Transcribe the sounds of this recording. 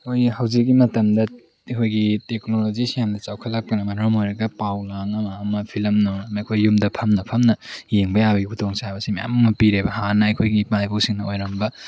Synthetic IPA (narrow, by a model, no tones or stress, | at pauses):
ojhawzik̚ːimɐtɐmdɐ | ikʰojɡitek̚nolod͡ʒisijandɐt͡ʃawkʰɐlak̚pɐnɐmɐnɾɔmojɾɐɡɐpawlaŋɐmɐːmɐpʰilmnonɐmɐjkʰojːumdɐpʰɐmnɐpʰɐmnɐjeŋbɐjabɐɡikʰutʰoŋsabɐsimaja̰mɐŋmɐpiɾebɐhanɐɐjkʰojɡipajbowsiŋnɐojɾɐmbɐ